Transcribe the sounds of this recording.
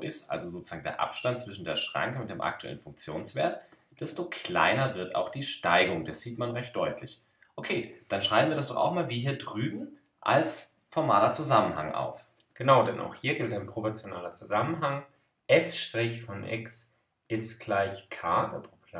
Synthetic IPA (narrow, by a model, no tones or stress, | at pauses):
ʔɪstʔa̰lzozoːt͡su̥z̥aːŋndḛːɐʔa̰pʃtant̚t͡sv̥ɪʃn̩deːɐʃʁ̥a̰ŋkəʊntd̥eːmʔa̰k̚tuʔɛ̰lənfʊŋk̚t͡sjo̰ːnsv̥eːɐt | d̥ɛstokʰl̥a̰ɪnɐvɪɐta̰ʊxd̥iːʃtaɪɡʊŋd̥asz̥iːtmanʁɛçt̚d̥ɔʏtʰlɪç | ʔokʰeːd̥anʃʁ̥aɪbm̩viːɐdasd̥ɔχa̰ʊxmaːlviːɦiːɐdʁyːbm̩ | ʔa̰lsfɔɐmaːlɐt͡suzamənha̰ŋʔa̰ʊf | ɡ̥ənaʊdɛnʔa̰ʊxhiːɐɡɪltaɪnpʁ̥opɔɐt͡sjona̰ːlɐt͡suzamənɦaŋ | ʔɛfʃtʁ̥ɪçfɔnʔɛ̰ks | ʔɪstɡ̥laɪçkʰaːdɛpʁopː